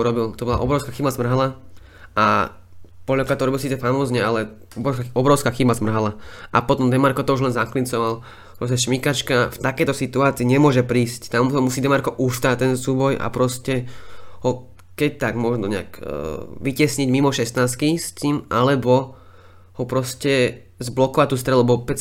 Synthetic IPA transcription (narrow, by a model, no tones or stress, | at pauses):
uɾɔbilt̪ɔbɔlaʔɔbɾɔʊskaːxibazmr̩ɦala | a | pɔlakɾat̪ɔuɾɔbilsiːt͡sɛfamɔzɲɛalɛ | ɔbɔbɾɔʊskaːxibazmr̩ɦalaʔa̰pɔt̪ɔmd̪ɛmaɾkɔt̪ɔuʒlɛnzaklint͡sɔʋal | pɾɔs̬cɛʃmikat͡ʃkaft̪akɛjt̪ɔsit̪uaːt͡siːɲɛmʊɔʒɛpɾiːsct̪amɔmusiːd̪ɛmaɾkɔʔuʃst̪aːt̪ɛnsuːbɔja̰pɾɔscɛhɔ | kɛc̚t̪aɡmʊɔʒnɔɲɛa̰kːʋicɛsɲiɟmimɔʃɛsnaːst̪kist̪iːmʔalɛbɔ | hɔpɾɔscɛ | zblɔkɔʋac̚t̪ːuːst̪ɾɛlubɔpɛ